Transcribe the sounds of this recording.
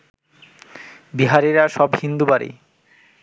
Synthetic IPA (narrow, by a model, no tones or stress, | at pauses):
biɦaɾeɾaʃɔbhind̪ubaɾḭ